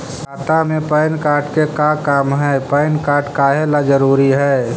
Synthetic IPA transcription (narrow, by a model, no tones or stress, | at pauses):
kaːt̪amẽpəɪnkaːɾʈkekakaːmɦɛːpəɪnkaːɾʈkaɦelad͡ʒəɾuːɾiɦɛː